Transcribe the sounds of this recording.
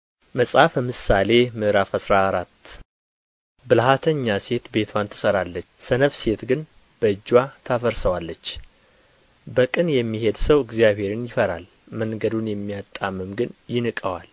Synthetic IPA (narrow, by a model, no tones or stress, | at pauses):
məsʼafəmɨsale̞mɨʔɾafasɾaːɾat̪ː | bɨlhat̪ʰəɲːase̞t̪be̞t̪ʰwant̪ʰɨ̥səɾalːət͡ʃːsənəβse̞t̪ɡɨn | b̥əɨd͡ʒːwat̪ʰafəɾsəwalːət͡ʃː | bəkʼɨnjɛmːihe̞d̪səwɨɡzijaβhe̞ɾɨnjɪfəɾa̰l | məŋɡəd̪unjɛmːijat̪ʼːamːɨmɡɨnjɪnɨkʼəwa̰l